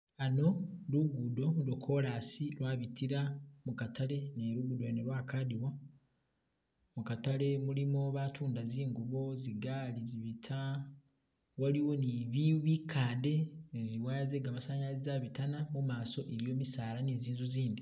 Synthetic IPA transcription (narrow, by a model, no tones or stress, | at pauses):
ano̞luɡudo̞dokʰo̞ɾaːsiɾwaːβitiɾamukatʰaɾe̞neɾuɡudoeneɾwaːkadiwa | mukatale̞mulimo̞βatʰuːndaziːŋɡuβo̞ziɡaːliziβitʰa | waliwo̞niβiβikʰaːnde̞ziziwaːze̞ɡaːmasaːɲalizaβitanamumaːso̞ʔeɾjo̞ːmisaːɾaniziːnzuziːndi